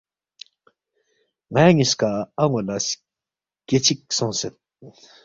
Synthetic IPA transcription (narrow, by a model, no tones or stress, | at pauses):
ŋajaŋiskaaŋolas | ket͡ɕʰik̚soŋset̪̚